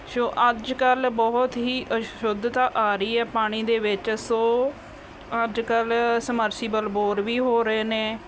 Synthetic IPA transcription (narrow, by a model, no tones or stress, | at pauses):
soːʔəd͡ʒkəlbɔːʊt̪ɦiːʔəʃʊd̪t̪aːʔaːɾəiːɛːpaːɽ̃iːd̪eːʋɪt͡ʃsoː | əd͡ʒkəlsəməɾsiːbəlboːɾʋiːɦoːɾəeːneː